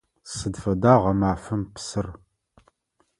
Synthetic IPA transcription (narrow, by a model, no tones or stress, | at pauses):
sɨdfɐdaːʁɐmaːfɨmpsɨr